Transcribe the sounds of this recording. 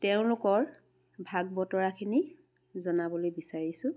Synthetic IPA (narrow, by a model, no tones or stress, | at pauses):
tɛʊ̃lʊkɔɹ | bʱaɡ̚bɔtɔɹakʰini | zɔnabɔlojbisaɹisʊ̃